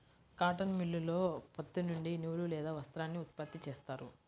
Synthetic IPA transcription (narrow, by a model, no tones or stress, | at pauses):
kaːʈɐnmilːulo̞ːpɐt̪ːinuɳɖinuːɭulɛːd̪aːʋɐst̪ɾaːnːiut̪̚pɐt̪ːit͡ʃeːst̪aːɾu